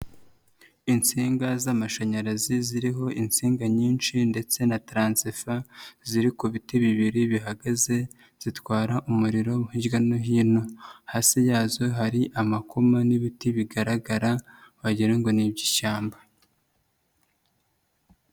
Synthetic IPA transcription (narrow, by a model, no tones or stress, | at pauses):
int͡siːŋɡazamaʃaɲaɾaziziɾiɦo̞ʔint͡siːŋɡaɲiːnʃinde̞t͡se̞natɾaːnsifaziɾikuβitiβiβiɾiβiɦaɡaze̞ | z̥itwaːɾaʔumuɾiɾo̞muhiɟɡanoɦiːno̞haːsijaːzo̞ɦaɾiʔamakumaniβitiβiɡaɾaɡaɾawaɟiɾaŋɡo̞nibɟiʃaːmba